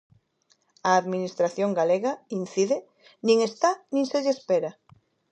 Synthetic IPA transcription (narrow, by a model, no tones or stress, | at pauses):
ɐːðminist̪ɾaθjoŋɡaleɣain̟θiðɪ | nĩŋest̪anĩŋseʎespeɾa